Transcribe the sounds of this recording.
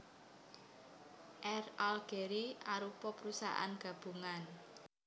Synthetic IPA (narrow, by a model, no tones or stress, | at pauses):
ʔɛralɡ̥eɾiaɾupɔpɾusa̰ʔa̰nɡ̥ä̤b̥ṳŋan